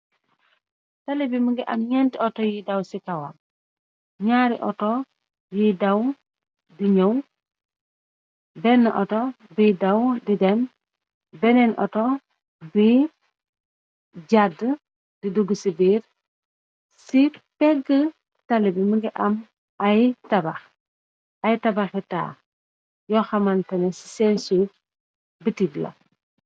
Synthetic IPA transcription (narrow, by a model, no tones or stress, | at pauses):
talibiməŋɡiʔamɲɛntiɔtɔjidɐwsikawam | ɲaːɾḭʔɔ̰tɔ | jidaw | diɲəw | bɛnːəʔɔtɔ | bidawdidɛm | bɛnɛnʔɔ̰tɔ | bi | ɟadə | diduɡːəsibiːɾ | sipɛɡə | tɐlibiməɡiʔɐm | ɐjtɐbɐx | ɐjtɐbɐxɛta̰ː | jɔxɐmɐntɐnɛsi̥sɛnsuɾ | bitiɡlɐ̰